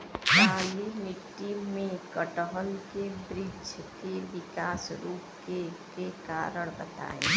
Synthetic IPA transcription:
kaːlimɪʈːimːẽkəʈəɦəlkebɾid͡ʒkeʋɪkaːsɾuːp̚kekekaːɾəɽ̃bə̰t̪a̰ːḛ̃

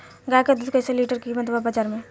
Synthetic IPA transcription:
ɡaked̪ud̪kɐseliːʈəɾkimɐt̪babɐd͡ʒaɾmẽ

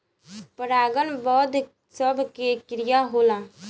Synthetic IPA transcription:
pəɾaːɡənbɔːd̪ | səbʱkekɾɪjaɦoːlaː

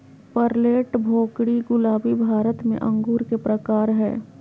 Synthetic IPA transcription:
pəɾleːʈbʱoːkɽiɡʊlaːbibʱaːɾət̪mḛ̃ʔɐ̃ŋɡuːɾkepɾəkaːɾɦɛ̰ː

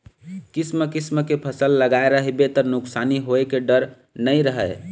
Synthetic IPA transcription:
kisməkisməkepʰəsəlːəɡaeɾəɦebet̪ɔnuksaniɦoekeɖəɾ | nəjɾəɦəj

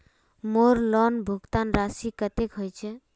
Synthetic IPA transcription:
moɾlɔnbʱuɡt̪anɾasikət̪ekɦojt͡ʃʰɛ

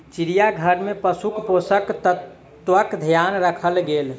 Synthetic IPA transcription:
t͡ʃiɾijaɡʱəɾmepəsukposək̪t | ʋəkd̪ʱijanɾəkʰəlɡel

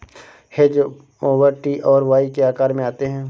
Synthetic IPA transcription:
hed͡ʒ | oːʋəɾʈiʔɔːɾʋaːikeaːkaːɾmẽaːt̪eɦɛ̃ː

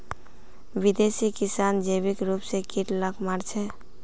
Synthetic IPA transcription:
bid̪esikisand͡ʒebikɾupsekiʈləkʰmaɾt͡ʃʰɛ

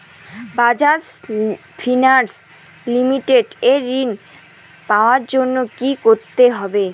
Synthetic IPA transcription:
bad͡ʑas | fʰinaɾs | limiʈeɖeɾːin | paoaɾd͡ʑonːokikoɾt̪eɦɔbe

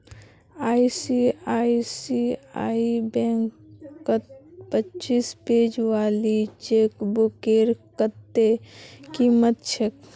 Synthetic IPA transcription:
aːisiaːisia̰ːibɛ̃ŋkː | ət̪pətːt͡ʃiːspeːd͡ʒʋaːlit͡ʃeːkbukeːɾkət̪ːekiːmət̪̚t͡ʃʰek

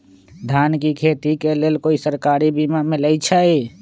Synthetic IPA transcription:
d̪ʱaːnkikʰeːt̪ikeleːlkoːisəɾkaːɾibimameləjt͡ʃʰəi

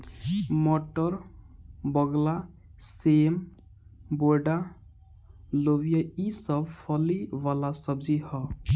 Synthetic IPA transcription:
mɔʈəɾ | bəɡla | sem | boɾɖa | lowijaisəbpʰəliʋalasəbd͡ʒihɔ

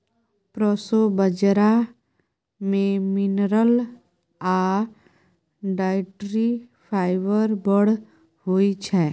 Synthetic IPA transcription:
pɾɔsobəd͡ʒɾa | mẽmɪnɾəl | a | ɖaːɪʈɾi | pʰaːɪʋəɾbəɽ̤ | hoit͡ʃʰɛ

